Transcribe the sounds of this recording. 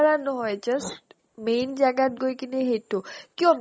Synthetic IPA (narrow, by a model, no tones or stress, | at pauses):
ɾanɔɦɔjd͡ʒəs | mend͡ʒaɡat̪̚ɡojkineɦet̪okjõm